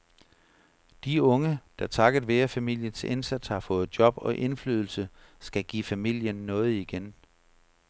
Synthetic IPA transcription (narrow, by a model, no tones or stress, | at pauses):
d̥iɔ̽ŋəd̥ɑ̈t͡sʰɑ̈ɡ̥əð̩ˠʋeːɐfæmil̰jənse̝nsæd̥shɑ̈fɔ̽ːð̞̩ˠd̥jɒ̽b̥ɒ̽ʔe̝nfly̰ːð̞ˠl̩sə | sɡ̥æɡ̥ḭːfæmil̰jənːɔ̽ːð̞̩ˠiɡ̥en